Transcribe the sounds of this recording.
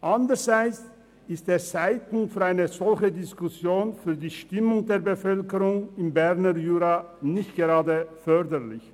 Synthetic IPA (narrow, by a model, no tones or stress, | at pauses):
ʔandəʁz̥aɪt͡s | ɪstd̥eːɐt͡saɪtn̩fyːɐaɪnəzɔlçədɪskusjoːnfyːɐdiːʃtɪmʊŋdeːɐbəfœlkəʁʊŋɪmbɛʁnəjyːʁa | nɪçt̚ɡ̥əʁaːdəfœʁdəʁlɪç